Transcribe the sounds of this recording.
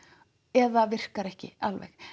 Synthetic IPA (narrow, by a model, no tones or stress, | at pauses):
ɛðavɪr̥kaɾɛhcɪ̰alvɛ̰x